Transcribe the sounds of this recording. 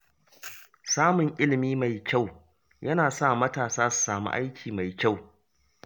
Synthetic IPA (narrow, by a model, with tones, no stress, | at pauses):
saː˦mʊ˨ŋʔɪ˦lɪ˨miː˦ma˨jkʲa˦˨w | jɐ˦naː˨sa˦˨mɐ˦taː˨saː˦su̥˨saː˨mṵ˦ʔa̰˦jkʲʰiː˨ma˨jkʲa˦˨w